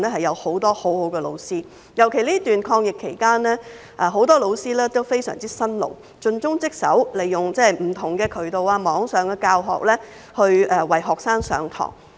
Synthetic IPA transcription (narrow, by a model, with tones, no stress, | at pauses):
nɛː˥ɦɐ˨jɐ˨˧who˨˧˥wt̪ɔː˥ho˨˥who˨˥wkɛː˧lo˨˧wsiː˥ | jɐ˨˩wkʰe˨˩jliː˥t̪yː˨nkʰɔː˧ŋjɪ˨kʰːe˨˩jkaː˥nlɛː˥ | ʔaː˨˧ɦo˨˥wt̪ɔː˥lo˨˧wsiː˥lɛː˥t̪o˥wfe˥jsœ̰ː˨˩ŋt͡siː˥sɐ˥nlo̰˨˩w | t͡ʃɵ˧nt͡sʊ˥ŋt͡sɪ˥k̚sɐ̰˨˥wle˨˩jːʊ˨ŋt͡sɛ˥˨m̩˨˩t̪ʰʊ˨˩ŋkɛː˧kʰɵ˨˩ɥt̪o˨waː˧mɔː˨˥ŋsœː˨˧ŋkɛː˧kaː˧wɦɔ̰ː˨k̚lɛː˥ | hɵ˧ɥɛ˨˧wɐ˨jɦɔː˨k̚saː˥ŋsœ̰ː˨˧ŋt̪ʰɔ̰ː˨˩ŋ